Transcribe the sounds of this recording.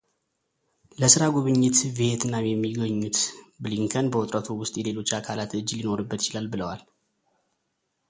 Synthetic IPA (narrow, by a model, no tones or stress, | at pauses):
ləsɨɾaɡuβɨɲːɪt̪βeet̪ɨnːawjɛmːiɡəɲːut̪bɨliŋkʰənbəwʊt̪ʼɾət̪ʰuwʊst̪ʼjɛle̞lo̞t͡ʃːakʰalat̪ɨd͡ʒːlino̞ɾɨbːət̪t͡ʃɪlalbɨləwal